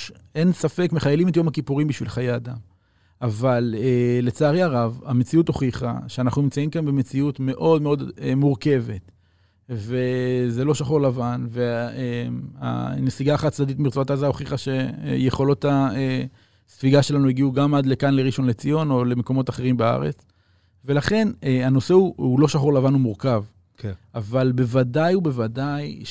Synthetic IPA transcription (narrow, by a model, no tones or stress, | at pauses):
e̞nsafe̞kme̞χajelime̞tjo̞makipuʁimbiʃvilχajeadam | avalele̞t͡saːʁjaʁavame̞t͡siuto̞χiχa̰ʃeanaχnunimt͡saimkanbeme̞t͡siutme̞ʔo̞dme̞o̞demuʁke̞ve̞t | ve̞ze̞lo̞ʃaχoʁlavanve̞ema̰nesiɡaːχatt͡sdaditmiʁt͡soatazaoχiχaʃe̞̰jeχo̞lo̞tae | sfiɡaʃe̞lanuiɡiuɡamad̪le̞kanleʁiʃo̞nle̞t͡sijo̞no̞le̞me̞ko̞mo̞taχe̞ʁimbea̰ʁe̞̰t͡s | ve̞laχe̞neano̞se̞uulo̞ʃaχo̞ʁlavanumuʁkav | ʔavalbe̞vadajube̞vadaj